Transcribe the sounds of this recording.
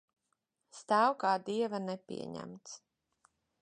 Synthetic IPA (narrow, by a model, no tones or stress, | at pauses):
st̪æwkaːd̪iɛvanɛpʲḭɛɲæ̰mt̪s